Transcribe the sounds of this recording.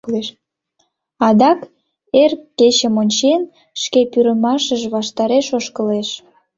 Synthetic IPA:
le | ɑd̪ɑk | erkːet͡ɕəmonʲt͡ɕen | ʃkepyɾəmɑʃəʒβɑʃt̪ɑɾeʃoʃkəleʃ

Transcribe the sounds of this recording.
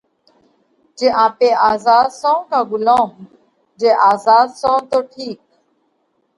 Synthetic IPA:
d͡ʒeːʔãːpeːaːzaːd̪sõːkaːɡʊlõːm | d͡ʒeːʔaːzaːd̪sõːt̪oːʈʰiːk̚

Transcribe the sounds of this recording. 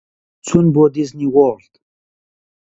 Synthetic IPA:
t͡sʰunboːd̪̬izniɣɔːɬt̪

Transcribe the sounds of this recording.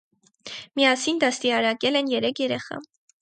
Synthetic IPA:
mijɑsind̪ɑst̪iɑɾɑkɛlɛnjɛɾɛkʰjɛɾɛχɑ̰

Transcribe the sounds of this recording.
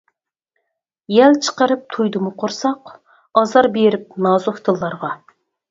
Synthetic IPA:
jɛlt͡ʃʰə̥qəɾɨp̚t̪ʰujd̪ɨmʊqʰoɾsɑq | ɑzɑɾbeɾɪp̚nɑːzoht̪ʰɨlˠːɑɾʁɑ

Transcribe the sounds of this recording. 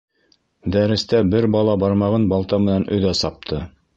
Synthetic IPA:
d̪æɾɘ̆st̪æbɘɾbɑlˠɑbɑɾmɑʁɤnbɑlˠt̪ɑmɘ̆nænɵ̆ðæsɑp̚t̪ʰɤ

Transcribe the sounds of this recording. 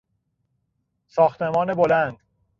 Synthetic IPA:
sɒːxt̪ʰe̞mɒːnebolænd̪̥

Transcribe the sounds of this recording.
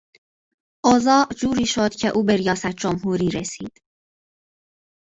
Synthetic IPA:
ʔozɒːʔd͡ʒuːɾiːʃo̞d̪̥cʰe̞ʔuːbe̞ɾijɒːsæt̪̚ʰd͡ʒomɦuːɾiːɾesiːd̪̥

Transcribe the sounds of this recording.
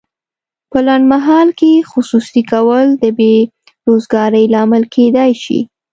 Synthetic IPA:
pəlaɳɖmaɦɑlkexʊsusikawəld̪əbe | ɾozɡɑɾəjlɑmɪlkʰed̪ɑjʃḭ

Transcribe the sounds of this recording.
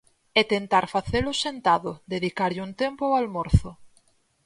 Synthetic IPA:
ɛt̪ent̪aɾfaθelʊsent̪aðʊðeðikaɾʎuŋt̪empʊalmoɾθʊ

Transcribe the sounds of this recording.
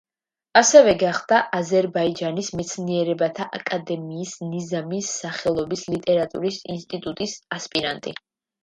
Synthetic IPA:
asɛvɛɡaχd̪aʔazɛɾbaid͡ʒanismɛt̪sʰniɛɾɛbat̪ʰaʔakʼad̪ɛmiːsnizamisːaχɛlˠɔbislit̪ʼɛɾat̪ʼṵɾisinst̪ʼit̪ʼut̪ʼisaspʼiɾa̰nt̪ʼḭ

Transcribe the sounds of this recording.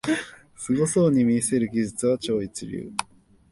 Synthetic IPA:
sɨɡo̞soːɲ̟imʲiːse̞ɾɯ̟ɡʲiʑɨt͡sɨβat͡ɕo̞ːit͡sɨɾʲɯ̰ː

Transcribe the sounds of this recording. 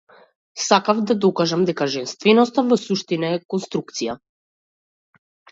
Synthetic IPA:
sakavd̪ad̪ɔkaʒamd̪ɛkaʒɛnst̪vɛnɔst̪avɔsuʃt̪inaɛkɔnst̪ɾuk̚t̪sija

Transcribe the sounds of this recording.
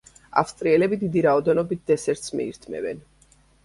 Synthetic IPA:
a̰fst̪ʼɾiɛlɛbid̪id̪iɾaɔd̪ɛnɔbit̪̚d̪ɛsɛɾt̪smḭḭɾt̪ʰmɛ̰vɛ̰n

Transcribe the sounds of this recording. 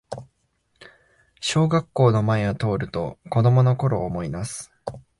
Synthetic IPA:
ɕo̞ːɡakːo̞ːno̞maeɡat̪o̞ːɾɯ̟t̪o̞ko̞d̪o̞mo̞no̞ko̞ɾo̞ːmo̞imasɨ̥

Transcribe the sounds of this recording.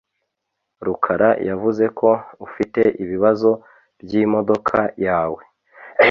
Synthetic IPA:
ɾukʰaɾajavuze̞kʰo̞ufite̞ʔiβiβazo̞ | bjimo̞do̞kʰajaːwe̞

